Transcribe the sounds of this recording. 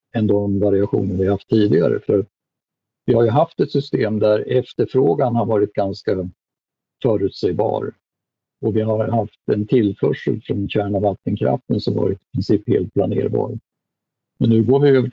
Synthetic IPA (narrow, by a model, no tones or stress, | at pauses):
ɛnd̪ɔmvaɾɪaɧṵːnənvɪahaft̪ʰːiːd̪ɪɡa̰ɾə̰fœɾat̪̚ | vɪhaɾjɵɦaft̪ɛt̪sʏst̪eːmd̪æɾɛft̪əɾfɾoːɡanhaɾvɑːɾɪt̪̚ɡanska | fœːɾʉ̟ːt̪sɛjbɑ̰ːɾ | ɔvɪɦaɾhaft̪ɛnt̪ʰɪlːfœʂə̰lfɾɔnɕæːɳavat̪ːənkʰɾa̰ft̪ənsɔmvɑ̰ːɾɪt̪ɪ̥pʰɾɪnsiːphḛːlt̪̚pʰlanḛːɾbɑ̰ːɾ | mɛnːʉ̟ːɡoːɾvɪøvə